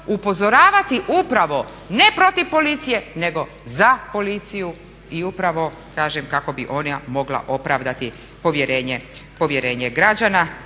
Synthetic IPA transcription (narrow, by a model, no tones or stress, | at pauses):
upo̞zo̞ɾaːʋat̪iʔupɾaʋo̞ | ne̞pɾo̞t̪iʋpo̞lit̪sije̞ne̞ɡo̞ | zapo̞lit̪siju | iupɾaʋo̞ | kaːʒemkako̞biʔo̞namo̞ɡla̰ʔo̞pɾaːʋd̪at̪i | po̞ʋje̞ɾeːɲepo̞ʋje̞ɾe̞ːɲeɡɾad͡ʑana